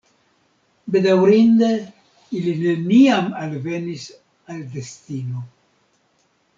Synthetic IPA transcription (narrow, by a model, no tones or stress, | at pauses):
be̞dawɾinde | iline̞niamalve̞nis | ald̪e̞stino̞